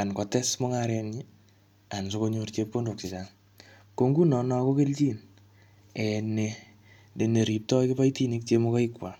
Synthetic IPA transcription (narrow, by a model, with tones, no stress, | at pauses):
a˨nkɔ˨tɛ˦smo˦ŋaɾɛ˧ni | a˨nso˦ko˦ɲu˧rt͡ʃepo˦ndo˨k̚si˨t͡ʃa˨ŋ | ko˦ŋɡu˦nɔ˨nɔ˦ko˦ke˦lt͡ʃi˦n | ɛ˨ne | ne˨ne˨ɾi˨p̚tɔ˦kɪ˦pa˦jti˦ni˦k̚t͡ʃe˦moka˦ikwa˨